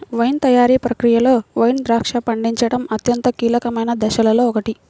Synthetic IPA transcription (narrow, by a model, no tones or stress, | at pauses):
ʋɐjnt̪ɐjaːɾiːpɾɐkɾijɐlo̞ːʋɐjnd̪ɾaːkʂɐpɐɳɖiɲt͡ʃɐɽɐmɐt̪jɐnt̪ɐkiːlɐkɐmɐjnɐd̪ɐʃɐlɐloːɔkɐʈi